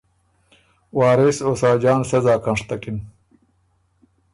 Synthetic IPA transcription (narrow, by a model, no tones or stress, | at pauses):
waːɾesoːsaːd͡ʑaːnsɐzaːkɐɳʂt̪ɐkin